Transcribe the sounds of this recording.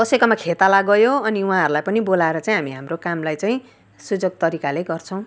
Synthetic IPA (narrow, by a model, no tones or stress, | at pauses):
kʌsekʌmakʰet̪alaɡʌjoʌniuɦãɦʌɾulajpʌnibolaeɾʌt͡saĩɦamiɦamrokamlajt͡saĩ | sud͡zoɡ̚t̪ʌɾikaleɡʌrt͡sʰʌ̃w̃